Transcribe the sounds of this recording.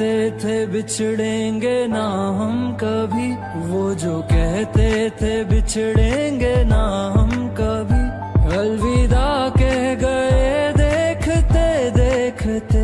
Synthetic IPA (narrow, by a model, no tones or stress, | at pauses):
et̪ʰebɪt͡ʃʰɽẽːŋɡenaɦɐmkɐbʱi | ʋod͡ʒoːkɛɦt̪et̪ʰebɪt͡ʃʰɽẽːŋɡenaɦəmkɐbʱi | kɐlʋiːd̪aːkeɡɐed̪eːkʰt̪ʰed̪eːkʰt̪ʰe